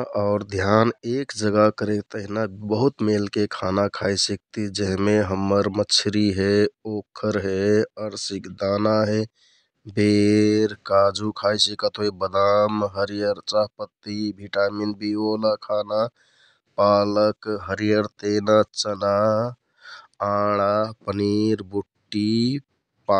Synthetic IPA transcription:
ɔʊɾd̪ʱjanekd͡ʒəɡakəɾekt̪əɦinabəɦut̪melkekʰanakʰajsik̚t̪id͡ʒəɦmeɦəmːəɾmət͡ʃʰɾiɦeokʰːəɾɦeəɾsikd̪anaɦe | beɾkad͡ʒukʰajsikət̪ɦojbəd̪amɦəɾijəɾt͡ʃaɦpət̪ːibʱiʈaːminbiolakʰana | paləkɦəɾijəɾt̪enat͡ʃəna | aɽ̃apəniɾbuʈːi | pa

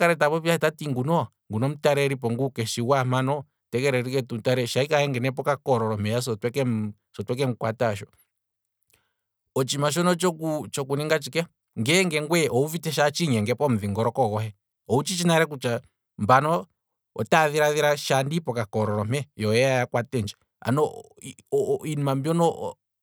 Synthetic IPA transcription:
kaɾɛtaβɔpjaɛtatiŋɡunɔ | ŋɡunɔm̩taɾɛɾip̬ɔŋɡukɛʃiwamanɔ | tɛk̬ɛɾɛɾikɛtum̩taɾɛʃaikahɛŋɡɛnɛp̬ɔkakɔɾɔɾɔmɛjas̬ɔtwɛkɛm | sɔtwɛk̬ɛŋkwataʃɔ | ɔt͡ʃimaʃ̬ɔnɔt͡ʃɔut͡ʃɔk̬uniŋɡat͡ʃikɛ | ŋɡɛŋɡɛŋɡwɛʔɔuvitɛʃ̬at͡ʃiɲɛŋɡɛpɔm̩ðiŋɡɔɾɔkɔɣɔɦɛ | ɔut͡ʃit͡ʃinaɾɛk̬ut͡ʃa | mbanɔ | ɔ̰taðiɾaðiɾaʃandipɔkakɔɾɔɾɔmɛjɔjɛajakwatɛnd͡ʒɛ | a̰nɔ | ɔinmambjɔnɔ

